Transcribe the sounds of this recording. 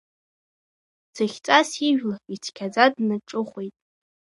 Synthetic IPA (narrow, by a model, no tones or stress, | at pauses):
d͡zʰaχʲt͡sʼasiʒᶣlait͡sʰkʲʰad͡zadnɨʈ͡ʂʼɨχʷejtʼ